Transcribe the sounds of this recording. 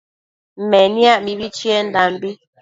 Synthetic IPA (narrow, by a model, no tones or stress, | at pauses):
mmɛnjaʔmibit͡ʃjɛn̩dambi